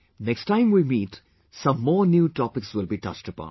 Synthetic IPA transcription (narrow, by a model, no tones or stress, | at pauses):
neksʈãɪ̃mwimiːʈ | sʌ̃mːɔːɾnjuːʈɔpɪksʋɪlbiːʈʌ̰t͡ʃʈəpɔ̰̃n